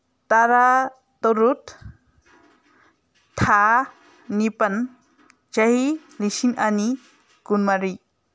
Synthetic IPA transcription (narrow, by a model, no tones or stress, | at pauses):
t̪aɾa | t̪oɾut̪ | a | nipən | t͡ʃaɦi | lisinani | kunmaɾi